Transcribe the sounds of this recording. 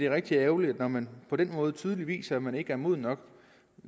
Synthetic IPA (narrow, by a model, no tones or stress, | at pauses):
d̥e̝ʁeɡ̥̚d̥iææʊlid̥nɒmænpʰɒ̽d̥en̰mɔ̽ːð̞̩ˠt͡sʰyːðˠliʋḭːsɐmæne̝ɡ̥əæɐmo̝ð̰ˠnɒ̽ɡ̥